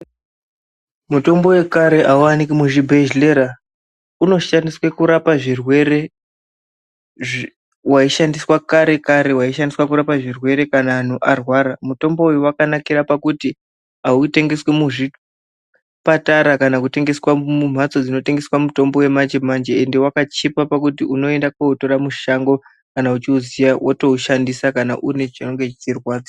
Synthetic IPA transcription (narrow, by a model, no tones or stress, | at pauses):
muto̞mbo̞we̞kaɾe̞ʔauanikimuʐibʱe̞ʒle̞ɾa | uno̞ʃandiswe̞kuɾapaʐirwe̞ɾe̞ | waiʃandiswakaɾe̞kaɾe̞waiʃandiswakuɾapaʐirwe̞ɾe̞kanaːn̤uʔarwaːɾamuto̞mbo̞ujuwakanakiɾapakuti | aute̞ŋɡe̞swemuʐi | pataɾakanak̬ute̞ŋɡe̞swamum̤at͡so̞d͡zino̞te̞ŋɡe̞swamuto̞mbo̞we̞mad͡ʒemand͡ʒeende̞wakat͡ʃipapakutiuno̞e̞ndakwouto̞ɾamuʃaŋɡo̞ | kanaut͡ʃiuzijawʔoto̞uʃandisakana̰ʔune̞t͡ʃinoŋɡe̞t͡ʃt͡ʃirwaːd͡zo